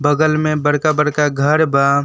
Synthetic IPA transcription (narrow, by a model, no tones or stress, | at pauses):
bəɡəlmẽbəɽkabəɽkaɡʱəɾba